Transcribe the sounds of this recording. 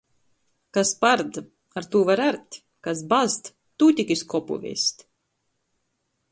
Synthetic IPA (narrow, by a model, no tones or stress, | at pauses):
kaspaɾd̪ | aɾt̪uːvaɾaɾt̪ʲ | kasbazt̪ | t̪uːt̪ʲikʲiskɔpṵvʲḭsʲt̪ʲ